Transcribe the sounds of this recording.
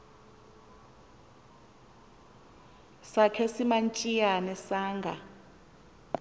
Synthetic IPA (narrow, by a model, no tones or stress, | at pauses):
sakʰɛsimant͡ʃʼijanɛsaːŋɡʱa